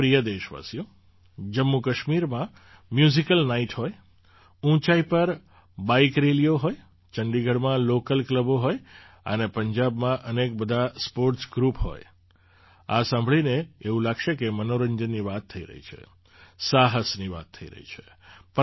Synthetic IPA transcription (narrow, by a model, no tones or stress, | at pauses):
ɾijəd̪eʃʋa̰sijõ | d͡ʒəmːukəʃmiɾmã | mjuzikəlnaiʈɦoj | ũt͡ʃaipəɾ | baikɾelijoɦoj | t͡ʃəɳɖiɡʱəɽmãlokəlkləboɦoj | ə̰nepəɲd͡ʒabmãʔənek̚bəd̪ʱaspoɾʈsɡɾupɦo̰j | asãmbʱɭineːʋũlaɡʃekemənoɾəɲd͡ʒənːiʋat̪ʰːəḭɾə̰ɦḭt͡ʃʰḛ | saɦəsniʋa̰t̪ʰːəḭɾə̰ɦḭt͡ʃʰe̥p